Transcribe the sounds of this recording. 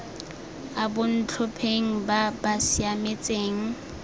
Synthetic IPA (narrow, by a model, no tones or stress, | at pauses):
abʊn̩t͡ɬʰʊpʰeŋ̩babasiamet͡sʼeːŋ̩